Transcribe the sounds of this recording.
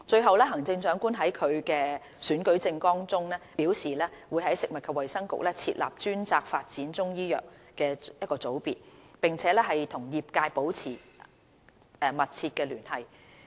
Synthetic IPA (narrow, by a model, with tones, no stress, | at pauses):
t͡ʃɵ˧ɥɦɐ˨wlɛː˥ɦɐ˨˩ŋt͡sɪ˧ŋt͡ʃœː˨˥ŋkuː˥nɦɐ˨˥jkʰɵ˨˧ɥkɛː˧ | syː˨˥nkɵ˨˥ɥt͡sɪ˧ŋkɔː˥ŋt͡sʊ˥ŋlɛː˥piː˨˥wsiː˨lɛː˥wuː˨˧jɦɐ˨˥jsɪ˨k̚mɐ˨t̚kʰɐ˨˧wɐ˨˩jsɐ˥ŋkʊ̰˨k̚lɛː˥t͡sʰḭː˧t̚lʔa̰ː˨˩p̚t͡ʃyː˥nt͡saː˧k̚faː˧t̚t͡siː˨˥nt͡sʊ˥ŋjiː˥jœ̰ː˨˩k̚ | kɛː˧jɐ˥t̚kɔː˧t͡so˨˥wpiː˨t̚pɪ˨˩ŋt͡sʰɛː˨˥lɛː˥ɦɐ˨jt̪ʰʊ˨˩ŋjiː˨˩p̚kaː˧jpo˨˥wt͡sʰiː˨˩ | ɛ˨mɐ˨t̚t͡sʰiː˧t̚kɛː˧lyː˨˩nhɐ˨j